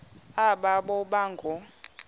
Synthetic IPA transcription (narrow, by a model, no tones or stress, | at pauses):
aɓaɓɔɓaŋɡʱɔ